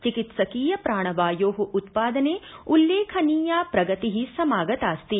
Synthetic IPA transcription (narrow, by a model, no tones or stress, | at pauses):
t͡ʃikit̪sɐkiːjɐpɾaːɳ̃ɐʋaːjoːɦuʔut̪paːd̪ɐneːulːeːkʰɐniːjaːpɾɐɡɐt̪iɦisɐmaːɡɐt̪aːst̪i